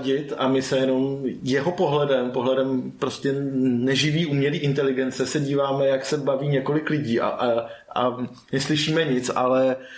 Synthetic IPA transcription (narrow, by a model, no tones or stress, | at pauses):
ɟɪt̪amɪsɛjɛno̞mjɛɦo̞po̞ɦlɛdɛmpo̞ɦlɛdɛmpɾo̞scɛnɛʒɪviːʔuːmɲɛliːʔɪnt̪ɛlɪɡɛnt͡sɛsɛɟiːvaːmɛjaksɛbaviːɲɛko̞lɪklɪɟiːʔa̰ʔʔa̰ | nɛslɪʃiːmɛɲɪt͡sʔalɛ